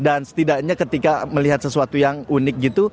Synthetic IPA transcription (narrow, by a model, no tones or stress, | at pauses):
dansə̥t̪idaʔɲakət̪ikaməliɦat̪̚səsuat̪ujaŋunɪk̚ɡit̪u